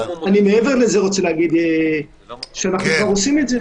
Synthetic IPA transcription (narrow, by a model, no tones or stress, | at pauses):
animeeve̞ʁlezeʁot͡se̞leaɡid̪e | ʃeanaχnukvaʁosimetze